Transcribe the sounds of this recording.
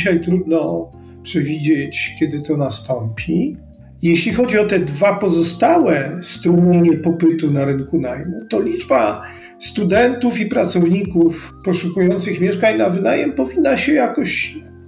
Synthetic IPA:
ɕajt̪ɾud̪nɔ | pʂɛvʲid͡ʑet͡ɕkʲɛd̪ɘt̪ɔnast̪ɔmpʲi | jeɕlʲixɔd͡ʑiɔt̪ɛd̪vapɔzɔst̪awɛst̪ɾumɲeɲɛpɔpɘt̪unaɾɘŋkunajmut̪ɔlʲid͡ʐba̰ | st̪ud̪ɛnt̪ufipɾat̪sɔvɲikufpɔʂukujɔnt̪sɘxmʲjɛʂkaɲnavɘnajɛmpɔvʲinːaɕɛjakɔɕ

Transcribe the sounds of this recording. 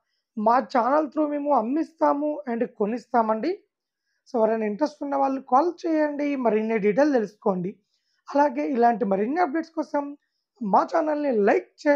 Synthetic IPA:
maːt͡ʃaːnɐlt̪ɾuːmeːmuɐmːist̪aːmueɳɖkonist̪aːmɐɳɖi | soːʋɐɾɐnɐiɳʈɾesʈunːɐʋaːɭːukaːlt͡ʃɛːjɐɳɖimɐɾinːɐɖiʈ̬elt̪elusu̥koːɳɖi | ɐlaːɡe̞ːilaːɳʈimɐɾinːɐːp̚ɖeʈskɔːsɐm | maːt͡ʃaːnɐlnilɐjk̚t͡ʃɛː

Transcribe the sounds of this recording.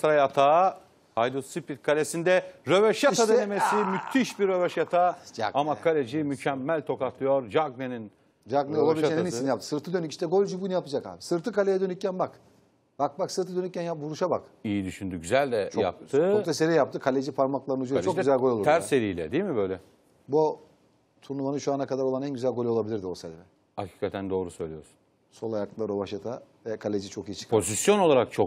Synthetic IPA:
st̪ɾajat̪ʰaː | hajd̪usipit̪̚kʰalʲesind̪ɛɾøvɛʃjat̪add̪enemesimyt̪ʰːiʃbiɾø̞vɛʃjat̪ʰad͡ʒa̰ɡamakʰalʲed͡ʒimycʰɛmːælʲt̪ʰo̞kat̪ʰˠɯjoɾd͡ʒaɡ̚nenin | d͡ʒaɡneolˠaiieiniinjap̚t̪ʰɯ̥sɯɾt̪ʰɯd̪ønyci̥ʃt̪ʰɛɡolʲd͡ʒubunijapɯd͡ʒaka̰ːbsɯɾt̪ʰɯkalʲejɛd̪ønyc̚ːʰænbak | b̥ak̚baksɯɾt̪ʰɯd̪ø̞nyc̚ʲcʰːænjapbuɾuʃaba̰kijid̪yʃynd̪yɟyzælʲd̪ɛt͡ʃʰoja̰p̚t̪ʰɯːot̪ʰaseɾijapt̪ʰɯkʰalʲed͡ʒipʰaɾmaklˠaɾɯnud͡ʒuyzælʲɡo̞lʲo̞lˠɾt̪æɾseɾijlʲɛ̰d̪iimibø̞jlʲɛ | bu | t̪ʰuɾnumanɯʃuanakad̪aɾo̞lˠanænɟyzælʲɡo̞lʲo̞lˠabilʲiɾd̪iosalʲɛ | hacʰiːkʰat̪ʰænd̪o̞ːɾusø̞jlʲijo̞ɾsu̥n | so̞lˠajaklˠaɾo̞βaʃat̪ʰavɛkʰalʲed͡ʒit͡ʃʰo̞kijit͡ʃʰɯ̥kʰpozisjo̞no̞lˠaɾak̚t͡ʃʰo

